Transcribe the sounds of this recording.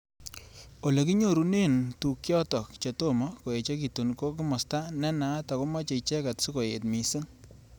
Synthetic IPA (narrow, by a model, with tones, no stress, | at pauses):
o˨le˨ki˦ɲo˦˨ɾu˨ne˦ntu˨kjɔ˦tɔ˨kt͡ʃe˨to˦mɔ˦ko˨je˨t͡ʃe˦ki˨tu˨nko˦ki˦mɔ˨sta˦nɛ˦na˨˦ta˨ko˦ma˦t͡ʃe˨t͡ʃɛ˦ka˨tsu˦ko˨je˨tmi˨si˦n